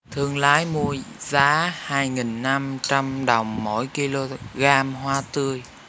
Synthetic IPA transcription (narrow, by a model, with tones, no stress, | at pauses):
t̪ʰɨ˧əŋlaː˨˦jmu˧əjzaː˨˦haː˧jŋi˨˩nːa˧mt͡ɕa˧mɗə˨˩wŋ͡mːo˧˥jki˧lo˧ɣaː˧mɦwaː˧t̪ɨ˧əj